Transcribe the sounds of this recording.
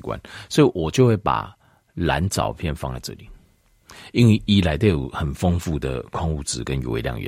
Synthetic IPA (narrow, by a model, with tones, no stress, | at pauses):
kwa̰˦nswɔ˧˦˥i˨wɔ˨˩t͡ɕjo˥˧ʊxwe˥˩ɪpa̰˨˩ | la˨˦nt͡sɑ̰˨˩ʊpʰjɛ˥˨nfɑ̰˥˦ŋt͡sa̰˥˧ʈ͡ʂɤ̰˥˨li˨˦ | i˦nwe˥˩i˦˥la˨˧ɪt̪o˥˩jo˨˩xə˨˩nfɤ˦ŋfu˥˨d̪ə̰˨kʰɔ˥˧ŋu˥˨˩t͡sɹ̩˨˦kə˦njo̰˨˩ḛ˨˧ljɑ̰˥˩ŋɥɛ̰˨˦